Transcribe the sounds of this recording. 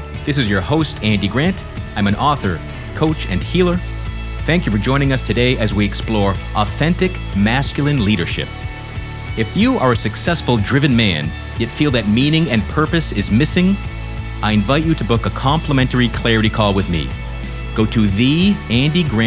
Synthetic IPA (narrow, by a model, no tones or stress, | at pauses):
ðɪs̬ɨzjə˞hoʊstʰæ̃ndiɡɹæ̃nt | ãɪ̃mɨ̃nɔθə̰˞ | kʰoʊt͡ʃɨ̰̃nhilˠə˞ | θæ̃ŋkjɨfə˞d͡ʒɔ̃ɪ̃nɪ̃ŋʌstʰɨdeɪʔɨzwiɨksplɔɹʔɔθɛ̃ntɨk | mæskjl̩ˠɨ̃nliɾə̰˞ʃɪ̰p̚ | ɨfjɨʔə˞ɨsɨksɛsfl̩ˠdɹɪvɨ̃nmæ̰̃n | jɛtfilˠðɨt̚mĩnɪ̃ŋɨ̃npʰɜ˞pɨsɪzmɪsɪ̃ŋ | ʔaɪɨ̃ɱvaɪt͡ʃɨɾɨbʊkəkʰɑ̃mpləmɛ̃ntə˞ikʰl̥ɛɹɨɾikʰɔlˠwɨðmḭ | ɡ̥oʊɾɨðiæ̃ndiɡɹæ̃